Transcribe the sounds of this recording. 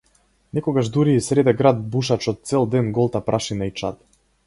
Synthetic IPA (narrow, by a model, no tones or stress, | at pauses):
nɛkɔɡaʒd̪uɾiːsɾɛd̪ɛɡɾad̪̚buʃ̬at͡ʃɔt̪̚sɛlˠd̪ɛnɡɔlˠt̪apɾʔaʃinait͡ʃa̰t̪